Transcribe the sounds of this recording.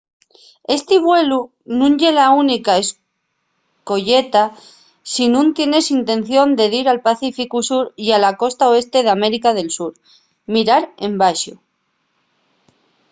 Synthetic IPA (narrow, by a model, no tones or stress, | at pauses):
e̞st̪iβwe̞lu | nũnʎe̞launikaes | ko̞ʝe̞t̪a | sinũnt̪je̞ne̞sint̪e̞nθjo̞nd̪e̞ðiɾalpaθifikusuɾialako̞st̪ao̞e̞st̪e̞ð̞ame̞ɾikað̞e̞lsuɾ | miɾaɾe̞mbaʃo̰